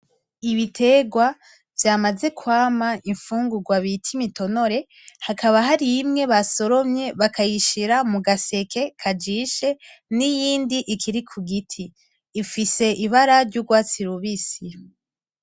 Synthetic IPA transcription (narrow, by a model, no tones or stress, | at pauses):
iβitʰe̞ːɡwa | vjaːmaze̞kwaːmaiɱfuːŋɡuɡwaβitʰimito̞no̞ɾe̞ | hakʰaβaɦaɾiimŋe̞βaso̞ɾo̞mɲe̞βakʰajiʃiɾamuɡase̞kʰe̞kʰad͡ʒiːʃe̞nijiːndiʔikʰiɾikʰuɡitʰiː | fise̞ʔiβaɾaɾɟuɡwaːt͡siɾuβisi